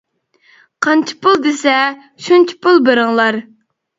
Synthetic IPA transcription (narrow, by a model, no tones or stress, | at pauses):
qʰɑnt͡ʃʰi̥pʊlˠd̪esɛ | ʃunt͡ʃʰi̥pʊlˠbeɾɨŋlˠɑɾ